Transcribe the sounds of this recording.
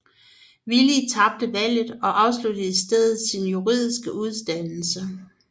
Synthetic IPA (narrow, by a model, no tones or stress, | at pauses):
ʋilit͡sʰɑ̈b̥̚d̥əʋæl̰ð̩ˠɒ̽ʔɑ̈ʊslud̥əisd̥eð̞ˠð̩ˠsinjuʁið̰ˠisɡ̥əʔuð̞ˠsd̥ænl̩sə